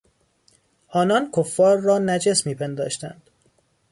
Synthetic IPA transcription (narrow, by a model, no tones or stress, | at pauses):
ʔɒːnɒnkʰofːɒːɾːɒːnæd͡ʒesmiːpʰend̪ɒ̰ːʃt̪æ̰nd̪̥